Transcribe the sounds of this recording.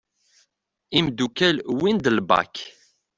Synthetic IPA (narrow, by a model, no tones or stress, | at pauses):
imd̪ukælwind̪əlbɑ̰k